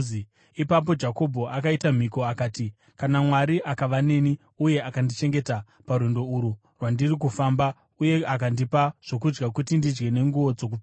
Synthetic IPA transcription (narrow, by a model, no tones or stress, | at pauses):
ipap̬o̞d͡ʒako̞bʱo̞ʔakaitam̤iko̞akaːti | kanamwaɾiʔakaʋane̞ni | uje̞akandit͡ʃe̞ŋɡe̞ta | paɾwendo̞uɾu | rwandirik̬ufamba | uje̞akandipaʐ̥o̞k̬ud͡ʒɡakutindid͡ʒɡe̞ne̞ŋɡuʋo̞d͡zo̞k̬u